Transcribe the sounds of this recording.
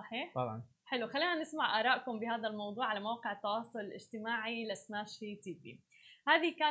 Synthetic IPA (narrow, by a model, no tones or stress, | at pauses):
sˤɑħiːħt̪ɑbʕɑ̰n | ħɪluxalːiːnanɪsmaʕʔaːɾˤɑːʔkʊmbɪhaːd̪almɑwd̪ˤuːʕalamawqɪʕɪt̪ːɑwɑːsˤʊlɪlʔɪ̰ʒt̪ɪmaːʕilasnaːʃit̪iːbḭ | haːðikaː